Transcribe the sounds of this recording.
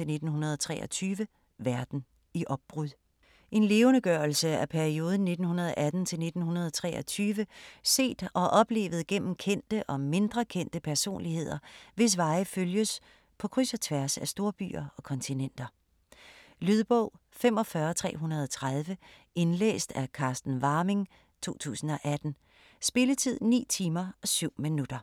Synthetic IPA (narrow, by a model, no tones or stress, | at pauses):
e̝lne̝d̥n̩hunɐð̞ˠɒt͡sʰʁɛ̰ːʔɒt͡sʰyːʋə | ʋæɐd̥n̩ | iʔɒ̽b̥̚b̥ʁuðˠ | ʔe̝nle̝ːʊnəɡ̥ɶɐl̩səæpʰæɐio̝ːð̞ˠn̩ne̝d̥n̩hunɐð̞ˠɒʔæd̥n̩t͡sʰe̝lne̝d̥n̩hunɐð̞ˠɒt͡sʰʁɛ̰ːɒt͡sʰyːʋəse̝̰ːd̥ɒ̽ʔɒ̽b̥le̝̰ːʋð̩ˠɡ̥en̰m̩kʰen̰d̥əʔɒ̽me̝nd̥ʁɐkʰen̰d̥əpʰæɐso̝̰ːnlihe̝ð̰ˠɐʋe̝s̬ʋɑ̈ɪføljəs | pʰɒ̽kʰʁysɐt͡sʰʋæɐsæsd̥o̝ːɐb̥y̰ːɐɒ̽kʰɒ̽nt͡sʰinen̰d̥ɐ | lyð̞ˠb̥ɔʊ̰fem̰ɒ̽fɶɐt͡sʰʁɛ̰ːɦunɐð̞ˠɒt͡sʰʁað̞ˠʋə | e̝nlḛːsd̥ækʰɑ̈ːsd̥n̩ʋɑ̈ːme̝ŋ | t͡sʰo̝̰ːt͡sʰṵːsn̩ɒ̽ʔæd̥n̩ | sb̥e̝lət͡sʰið̞̰ˠnḭːt͡sʰiːmɐɒ̽syʊ̰minud̥ɐ